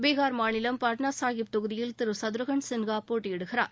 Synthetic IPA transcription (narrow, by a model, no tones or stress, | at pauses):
beːɣaːɾmaːnɪlɐmpaːʈnaːsaːɣɪp̚t̪ʊɣɯðɪjɪlt̪ɪɾɯsɐðɾɯɣɐɳsɪnɡaːpoːʈːɪjɪɽɯɣɪɾa̰ːɾ